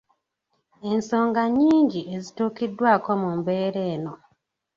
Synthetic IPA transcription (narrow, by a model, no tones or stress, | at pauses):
e̞nso̞ːŋɡaɲːiːɲɟiʔezituːkidːwaːko̞mumbe̞ːɾe̞ːno̞